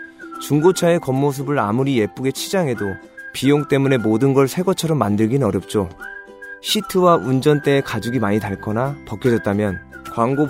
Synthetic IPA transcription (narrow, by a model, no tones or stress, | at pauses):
t͡ɕuŋɡot͡ɕʰae̞kʌmːos̬ʰɯbɯɾamuɾije̞p͈uɡe̞t͡ɕʰid͡ʑaŋe̞do | pijoŋt͈e̞mune̞modɯnɡʌɭsʰe̞ɡʌt͡ɕʰʌɾʌmːandɯɭɡinɯnʌɾjʌp̚t͡ɕ͈o | ɕʰitʰɯwaʔund͡ʑʌnt͈e̞ːkad͡ʑuɡimaɲitaɭk͈ʌnapʌk͈ʰjʌd͡ʑʌt̚t͈amjʌnkwaŋɡo